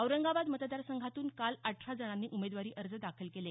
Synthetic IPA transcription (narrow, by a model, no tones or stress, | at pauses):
əwɾəŋɡabad̪mət̪d̪aɾsəŋɡʱat̪uːnkalaʈʰʂad͡zəɳ̃anːiːʔumed̪ʋaɾiːʔəɾd͡zəd̪akʰəlkele